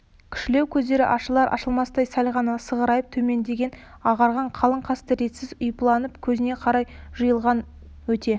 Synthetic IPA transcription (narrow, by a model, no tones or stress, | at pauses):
kʲʰʏ̥ʃkɪle̞wkʲʰɵzd̪e̞ɾɪ̰ʔɑʃəlˠɑɾʔɑ̰ʃəlˠmɑsd̪ɑjsɑlʁɑnəsəʁəɾɑjəp̚t̪ʰɵme̞nd̪e̞ɡʲe̞n | ɑʁɑɾʁɑɴqʰɑlˠəɴqʰɑst̪əɾe̞t̪sɪzʊjplˠɑnəpkʲʰɵzɪne̞qʰɑɾɑjʒ̥əjəlˠʁɑn | wɵt̪e̞